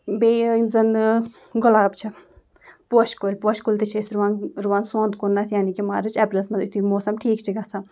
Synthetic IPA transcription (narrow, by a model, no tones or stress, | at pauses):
beːimzɐn | ɡʊlaːbt͡ʃʰɐ | poʃkolʲpoʃkolʲt̪it͡ʃʰɐsɾuʋaːnɾuʋaːnsõːnd̪kunːat̪ʰjaːnikima̰ːɾɨt͡ʃɛplɐsmɐd̪it̪ʰimoːsɐmʈʰiːkt͡ʃʰiɡɐsʰa